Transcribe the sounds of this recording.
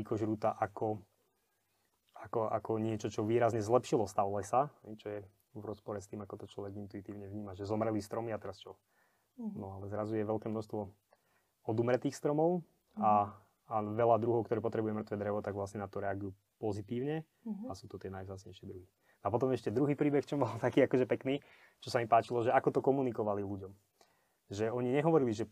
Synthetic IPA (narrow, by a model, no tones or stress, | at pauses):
ikɔʒɾuːt̪aʔakɔ | akɔʔa̰kɔɲɪɛt͡ʃɔt͡ʃɔʋiːɾazɲɛzlɛpʃilɔst̪aʊlɛsahɛjt͡ʃɔjɛ | vɾɔspɔɾɛst̪iːmakɔt̪ɔt͡ʃlɔʋɛɡint̪uit̪iːʊɲɛʋɲiːmaʒɛzɔmɾɛlist̪ɾɔmiat̪ɛɾast͡ʃɔ | nɔalɛzɾazujɛʋɛlkɛːmnɔʃst̪ʋɔ | ɔd̪umɾɛt̪iːxst̪ɾɔmɔʊ | aː | ʋɛlad̪ɾuɦɔʊkt̪ɔɾɛːpɔt̪ɾɛbujɛmrt̪ʋɛːd̪ɾɛʋɔt̪aɡʋlasɲɛnat̪ɔɾɛaɡujuː | pɔzit̪iːʊɲɛ | asuːt̪ɔt̪ɪɛnajvzaːt͡sɲɛ̰jʃɪɛd̪ɾuɦi | nɔapɔt̪ɔmɛʃcɛd̪ɾuɦiːpɾiːbɛxt͡ʃɔmbɔlt̪akiːakɔʒɛpɛkniː | t͡ʃɔsamipaːt͡ʃilɔʒɛakɔt̪ɔkɔmunikɔʋaliluɟɔm | ʒɛɔɲiɲɛɦɔʋɔɾiliʒɛ